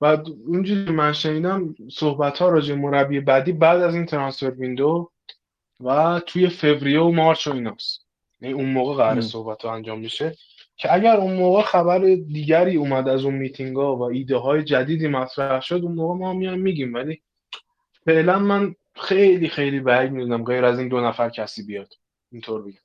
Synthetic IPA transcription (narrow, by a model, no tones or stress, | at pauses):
bæd̪und͡ʒuːcʰemænʃe̞niːd̪æmsohbæt̪ʰhɒːɾɒːd͡ʒebemoɾæbːie̞bæd̪iːbæːd̪æziːnt̪ʰeɾɒnsfe̞ɾvind̪o | væt̪ʰuje̞fe̞vɾijomɒːɾt͡ʃʰoiːnɒːst̪ | jæniunmoːɣeɣæɾeso̞hbæt̪ʰɒænd͡ʒɒːmːiʃe | cʰeæɟæɾunmoːɣexæbæɾed̪iːɟæɾiːuːmæd̪æzunmiːt̪ʰiŋɡɒːvæiːd̪eɦɒːjed͡ʒæd̪iːd̪iːmæt̪ʰɾæhʃod̪unmoːɣemɒːæmːijɒjmmːiɟiːmvæliː | fe̞ʔlænmæn | xe̞jliːxe̞jliːbæɡmid̪uːnæmɡe̞jɾæziːnd̪onæfæɾcʰæsiːbijɒːd̪̥ | int̪ʰoːɾbeɟæm